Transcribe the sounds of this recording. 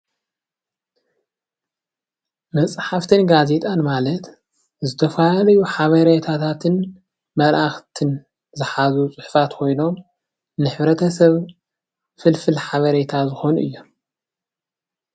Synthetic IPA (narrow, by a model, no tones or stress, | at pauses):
mɐt͡sʼħaft̪ʰɨnɡaze̞t̪ʼanmalɐt̪ | zɨt̪ʰɐfalalɐjuħaβɐɾet̪ʰat̪ʰat̪ʰɨn | mɐlʔaxt̪ʰɨn | zɨħazut͡sʼʊħfat̪kʰo̞jno̞m | nɨħβɾɐt̪ʰɐsɐβ | fɨlfɨlħaβɐɾet̪ʰazɨxo̞nuʔɨ̰jːo̞m